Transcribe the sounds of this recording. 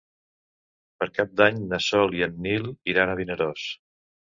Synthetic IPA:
pəɾkap̚d̪aɲnəsɔlˠiənːilˠiɾanəβ̞inəɾos

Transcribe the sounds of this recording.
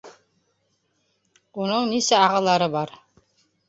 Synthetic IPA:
unɤɴnisæɑʁɑlˠɑɾɤbɑɾ

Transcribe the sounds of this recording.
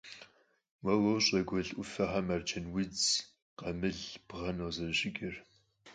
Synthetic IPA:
wɐwowɕʼɐɡʷɔɮʔʷʊfɐħamɐrt͡ʃʰɐnwid͡z | qɐmɨɮb̥ʁɐnoːzɐrɕʼɪɡʲʼɪr

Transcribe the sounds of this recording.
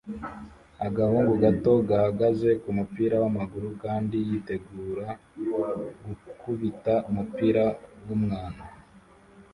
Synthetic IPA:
aɡahuːŋɡuɡato̞ɡahaɡaze̞kumupiːɾawamaɡuɾukaːndijite̞ɡuːɾa | ɡukuβitaumupiːɾawumŋaːna

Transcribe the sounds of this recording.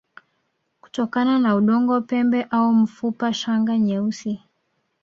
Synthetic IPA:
ku̥tɔkananauɗɔŋɡɔpɛmbɛʔaum̩fupaʃaŋɡaɲɛusi

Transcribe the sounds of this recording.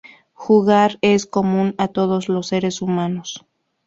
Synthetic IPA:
xuɣaɾe̞sko̞mũnat̪o̞ð̞o̞zlosːe̞ɾe̞sumanos

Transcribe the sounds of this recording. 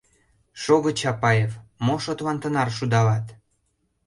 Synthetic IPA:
ʃoɣɤ̆t͡ɕɑpɑjevmoʃot̪lɑnt̪ənɑrʃud̪ɑlɑt̪

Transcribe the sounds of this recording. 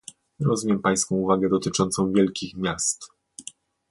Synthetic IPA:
ɾɔzvumʲjɛmpaj̃skɔ̃w̃uvaɡɛd̪ɔt̪ɘt͡ʂɔnt̪sɔ̃w̃vʲjɛlkʲixmʲjast̪

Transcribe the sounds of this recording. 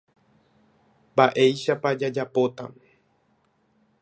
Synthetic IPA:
baʔe̞jʃapad͡ʒad͡ʒapo̞t̪a̰m

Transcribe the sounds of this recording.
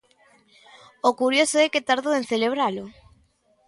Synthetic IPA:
okuɾjosoɛket̪aɾðoenθeleβ̞ɾalʊ

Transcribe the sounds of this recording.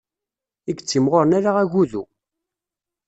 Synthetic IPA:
iɡət͡sːimʁoɾnaɾaʁæʝuðu

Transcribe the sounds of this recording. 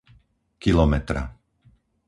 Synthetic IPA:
kilɔmɛt̪ɾa̰

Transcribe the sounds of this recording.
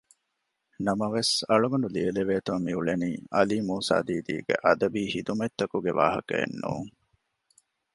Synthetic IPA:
nɐmɐʋesɐɭuɡɐnulieleʋeːt̪ummiuɭeniːʔɐliːmuːsa̰ːd̪iːd̪ḭːɡḛʔɐd̪ɐbiːhid̪umet̪ːɐkuɡeʋaːɦɐ̰kɐ̰ḛnːṵːŋ

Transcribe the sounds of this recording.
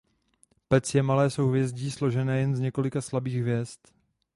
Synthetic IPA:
pɛt͡sjɛmalɛːso̞wɦvjɛzɟiːslo̞ʒɛnɛːjɛnzɲɛko̞lɪkaslabiːɣɦvjɛst̪

